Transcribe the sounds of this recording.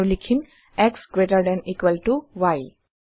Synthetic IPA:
likʰim | ɛksɡɹetaɹdɛnikwɛltuwaj

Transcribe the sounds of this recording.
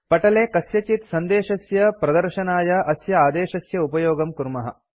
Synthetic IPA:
pɐʈɐleːkɐsjɐt͡ʃit̪sɐnd̪eːʃɐsjɐpɾɐd̪ɐɾʃɐnaːjɐʔɐsjɐaːd̪eːʃɐsjɐupɐjoːɡɐmkuɾmɐɦɐ̰

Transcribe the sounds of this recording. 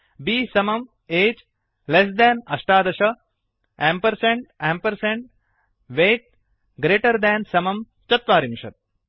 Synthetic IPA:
biːsɐmɐm | eːd͡ʒ | les̬d̪æːnɐʃʈaːd̪ɐʃɐ | æ̃ːmpɐɾsẽɳʈæ̃ːmpɐɾsẽɳʈ̚ | ʋeːʈ̚ | ɡɾeːʈɐɾd̪ɛ̃ːnsɐmɐm | t͡ʃɐt̪ʋaːɾimʃɐt̪̚

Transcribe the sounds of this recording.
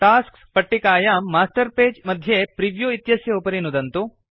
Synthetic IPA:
ʈaːskspɐʈːikaːjɐmaːsʈɐɾpeːd͡ʒmɐd̪ʱjepɾiʋjuit̪jɐsjɐupɐɾinud̪ɐnt̪u

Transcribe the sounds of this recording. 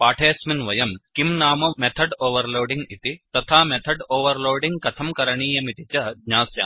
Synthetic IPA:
paːʈʰeːsminʋɐjɐmkimnaːmɐmet̪ʰɐɖoːʋɐɾloːɖiŋɡit̪it̪ɐt̪ʰaːmet̪ʰɐɖoːʋɐɾloːɖiŋɡkɐt̪ʰɐmkɐɾɐɳiːjɐmit̪it͡ʃɐd̪ɲaːsja̰ː

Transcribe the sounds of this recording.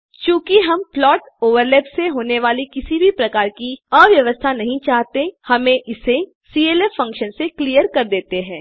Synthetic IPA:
kjõːkiɦɐmplɔːʈ | oːʋəɾlɛːpseɦoːneʋaːlikɪsibʱipɾɐkaːɾkiəʋjɐʋəst̪ʰanɐɦĩt͡ʃaːɦt̪ehɐmẽʔɪse | siːeːleːfːɐ̃ŋkʃənsekliːjəɾkɐɾd̪eːt̪eɦɛ̃ː

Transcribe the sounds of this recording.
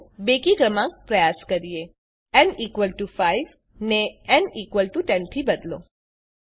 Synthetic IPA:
bekikɾəmãk̚pɾəjaskəɾije | ɛniːkʋəlʈufaiʋ | neɛniːkʋəlʈuʈɛnt̪ʰibəd̪lo̰

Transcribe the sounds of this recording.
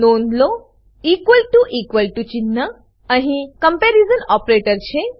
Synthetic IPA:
nond̪lo | iːkʋəlʈuʔikʋəlʈut͡ɕinːə | ə̃ɦĩkəmpɛɾizənɔpɾeʈəɾt͡ɕe

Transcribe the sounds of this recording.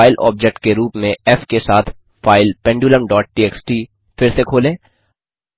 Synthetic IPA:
ɪlʔɔ̰ːp̚d͡ʒɛk̚ʈ̚keɾuːpmẽɛfkesaːt̪ʰ | faːɪlpɛ̃ɳɖjuːləmɖɔːʈ̚ʈiːɛːksʈi | fɪɾsekʰoːlẽː

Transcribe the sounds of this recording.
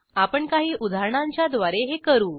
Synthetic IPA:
apəɳkaɦiːʔud̪ʱaɾɳaɲt͡ɕjad̪ʋaɾeɦekəɾuː

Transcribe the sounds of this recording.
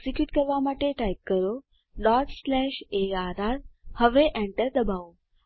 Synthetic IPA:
sikjuːʈkəɾʋamaʈeʈajp̚kːəɾo | ɖɔʈslɛʃeaːd̪ʱaɾhəʋeʔeɳʈəɾd̪əbao

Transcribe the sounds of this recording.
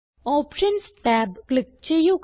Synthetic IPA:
ɔːpʃənsʈɛːbklɪk̚t͡ʃejok

